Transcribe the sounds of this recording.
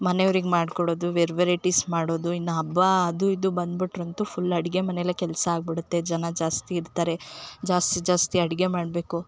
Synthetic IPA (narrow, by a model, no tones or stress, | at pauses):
mɐneʋɐɾiɡmaːɖkoɽo̞ːd̪uʋeɾʋeɾeʈismaːɽoːd̪uinːɐɐbːɐɐd̪uid̪ubɐnd̪biʈɾɐnt̪upʰulːɐɽiɡe̞mɐneilːɐkɛlsɐaːɡ̚biɽut̪ːe̞d͡ʒɐnɐd͡ʒaːst̪iːɾt̪aːɾe̞d͡ʒaːst̪id͡ʒaːst̪iɐɽiɡe̞maːɽbe̞ːku